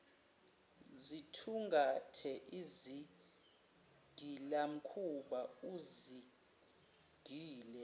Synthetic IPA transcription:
zitʰuŋɡʱatʰɛʔizi | ɡ̥ʱilam̩kʰuɓauzi | ɡ̥ʱiːlɛ

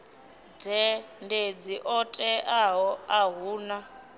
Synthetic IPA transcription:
d͡zɛnded͡ziʔɔtʼɛʔaɦɔaɦuːna

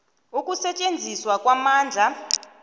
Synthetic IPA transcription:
ukʼusɛt͡ʃʼend͡zʱiswakʼwamaːnd͡ɮʱa

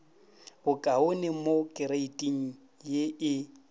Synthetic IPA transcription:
bʊkʼaʊnɪmokʼɪɾeitʼiŋ̩ | jeʔɪ

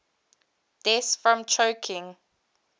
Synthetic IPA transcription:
d̥ɛsfɹɔ̃mt͡ʃʰoʊkʰɪ̃ŋ

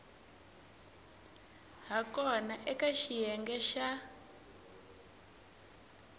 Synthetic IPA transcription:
ɦakɔnaʔɛkaʃijɛŋɡɛʃa

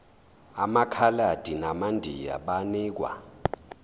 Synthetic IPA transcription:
amakʰalad̥ʱinamandʱḭja̰ɓaniːk̬wa̰

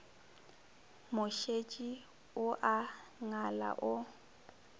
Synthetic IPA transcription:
mʊʃet͡ʃʼi | ʊʔaŋala̰ʔʊ

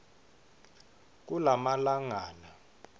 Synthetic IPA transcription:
k̬ʼulamalaŋaːna

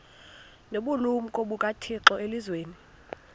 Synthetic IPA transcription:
noɓulumukʼoɓukʼatʰiǁɔʔelizweːni

